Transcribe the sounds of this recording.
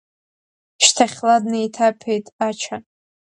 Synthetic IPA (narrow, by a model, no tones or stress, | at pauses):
ʃtʰaχʲladnejtʰapʰejtʼat͡ʃʰa